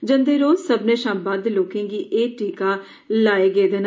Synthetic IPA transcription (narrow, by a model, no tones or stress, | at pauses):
d͡ʒənd̪eːɾoːzsəbneːʃãːbaːd̪loːkẽːɡiːʔeːʈiːkaː | laːeːɡeːd̪eːn